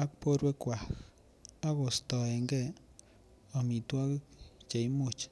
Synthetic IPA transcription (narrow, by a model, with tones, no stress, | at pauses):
a˦k̚po˦ɾwɛ˦kwa˨x | a˦ɣɔ˨stɔ˨ɛ˨ŋɡɛ˦ | ɔ˨mi˨twa˦kt͡ʃe˨i˦mʊ˨t͡ʃ